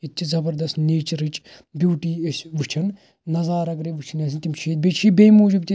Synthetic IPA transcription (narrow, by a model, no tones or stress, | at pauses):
it̪t͡ʃʰizɐbɐɾd̪ɐst̪neːt͡ʃɐɾit͡ʃ | bjuːʈiːesʋut͡ʃʰɐn | nɐzaːɾɐɡɾeʋut͡ʃʰɐnɛːsʰint̪imt͡ʃʰiːt̪̚bet͡ʃʰiːbeːmuːd͡ʒibt̪i